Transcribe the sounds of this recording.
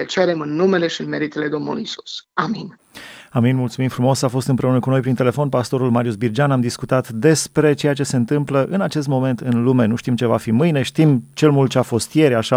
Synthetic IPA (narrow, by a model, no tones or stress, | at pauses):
et͡ʃeeɾemɨnːume̞le̞ʃiɨnme̞ɾit̪ele̞d̪o̞mnṵlṵisu̥samin | aminmult̪sumimfɾumo̞safo̞st̪ɨnmpɾe̞unəkuno̞jpɾint̪e̞le̞fo̞npast̪o̞ɾulmaɾjusbird͡ʒanamd̪iskut̪at̪d̪e̞spɾe̞t͡ʃe̞jat͡ʃe̞se̞ɨnt̪ɨmpləʔɨnat͡ʃe̞s̬t̪mo̞me̞nt̪ɨnlume̞nuʃt̪imt͡ʃe̞vafimɨjne̞ʃt̪imt͡ʃe̞lmult̪t͡ʃeafo̞st̪je̞ɾʲaʃa